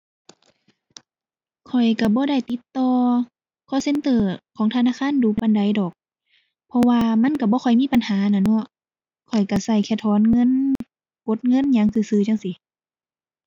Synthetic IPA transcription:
kʰɔ˨˩jka˧˩bɔː˧˦da˧˩˨jt̪i˧˦t̪ːɔː˧ | kʰɔː˧˥˨se˧˥˨nt̪ɤː˧˩kʰɔː˨˦ŋt̪ʰa˧naː˧˨kʰaː˧˥˨nduː˨˧˦pa˧˨nda˨˦jdɔː˨˩k̚ | pʰɔ˧waː˧ma˧˥˨nka˧˩bɔː˧˦kʰɔ˨˩jmiː˧˥˨pa˨nhaː˨˦na˧˨nɔ˧˩˨ | kʰɔ˨˩jka˧˩sa˧˩jkʰɛː˧˩t̪ʰɔː˨˧˦nŋɤ˧˥˨n | ko˧˦t̪̚ŋɤ˧˥˨nɲaː˧˦ŋsɯː˧˩˨sɯː˧˩˨t͡ɕa˧˨ŋsi˨˧˦

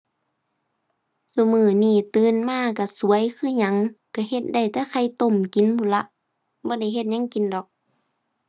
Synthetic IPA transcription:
su˧mɯː˧˩niː˧˩t̪ɯː˧˥˨nmaː˧˥˨ka˧˩su˨˦əjkʰɯː˧˥˨ɲa˧˦ŋka˧˩he˧t̪̚da˧˩jt̪ɛː˧˥˦kʰa˧˩jt̪o˧˨mki˨˦nmuː˧˩˨la˧ʔ | bɔː˧˦da˧˩˨jɦe˧t̪̚ɲa˧˥ŋki˨˦ndɔː˨˦k̚

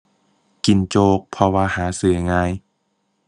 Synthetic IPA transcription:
ki˨˩nt͡ɕoː˧˩k̚pʰɔ˧waː˧haː˩˦sɯ˨˩əŋaː˧j

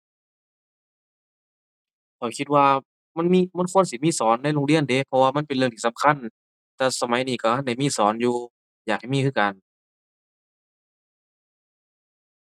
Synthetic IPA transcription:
kʰɔː˨˩jkʰi˧t̪̚waː˧ | ma˧˥˨nmiː˧˥˨ma˧˥˨nkʰu˧˥˨ə˨nsi˧˦miː˧˥˨sɔː˨˦nːa˧˥˨jloː˧ŋli˧˥˨ənde˨˦pʰɔ˧waː˧ma˧˥˨npe˨nlɯ˧˨ŋt̪ʰiː˧˩sa˨˦mkʰa˧˥˨n | t̪ɛː˧˩sa˧ma˨˦jniː˧˩ka˧˩hʰa˧˩˨nda˧˩jmiː˧˥˨sɔː˩˦njuː˧ | jaː˨˩k̚ha˨˩jmiː˧˨˧ka˨n

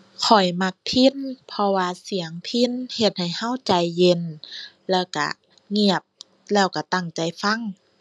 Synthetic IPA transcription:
kʰɔ˨˩jma˧k̚pʰi˧˥˨npʰɔ˧waː˧si˨˩˦ɐŋpʰi˧˥˨nhe˧t̪̚ha˨˩jha˧˥˨wt͡ɕa˨˧˩jːe˧˨n | lɛː˧˩wka̰˧˩ | ŋi˧˩əp̚ | lɛː˧˩wka˧˩t̪a˧˩ŋt͡ɕa˨˩jfa˧˥˨ŋ

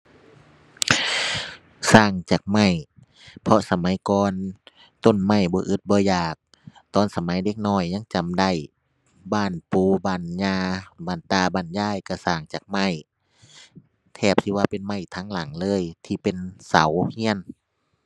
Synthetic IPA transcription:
saː˧˩ŋt͡ɕaː˨˩k̚ma˧˩j | pʰɔ˧sa˧ma˨˦jkɔː˧n | t̪o˧˥˨nma˧˩jbɔː˧˦ʔɯ˧˦t̪̚bɔː˧˦jaː˨˩k̚ | t̪ɔː˧˩˨nsa˧ma˨˦jde˧˦k̚nɔː˧˩˨jɲa˧˥˨ŋt͡ɕa˨mda˧˩j | baː˧˩˨npuː˧˦baː˧˩˨nɲaː˧baː˧˩˨nt̪aː˧˩baː˧˩˨njaː˧˥˨jka˧˩saː˧˩ŋt͡ɕaː˨˩k̚ma˧˥˨j | t̪ʰɛː˧˩p̚t̪ʰiː˧waː˧pe˧˨nma˧˥˩jt̪ʰaː˧˥˨ŋla˨˦ŋlɤː˧˥˨jt̪ʰiː˧pe˧˨nsa˨˦whi˧˥˨ən

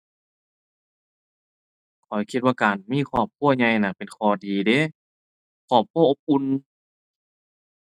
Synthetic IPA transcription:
kʰɔ˨˩jkʰi˧t̪̚waː˧kaː˨˩nmiː˧˥˨kʰwaː˧˩˨p̚kʰu˧˥˨ɐɲa˧jna˧˩pe˨nkʰɔː˨˧˩diː˨˩de˧˥˨ | kʰɔː˧˩p̚kʰu˧˥˨ʔo˧p̚ʔu˧˨n

